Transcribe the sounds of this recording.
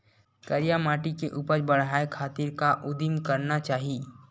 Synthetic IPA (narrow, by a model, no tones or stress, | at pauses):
kɐɾijamaːʈikeʔuːpəɾbɐɽɦaːekʰaːt̪iɾkaʔʊd̪imkɐɾnat͡ʃaːɦi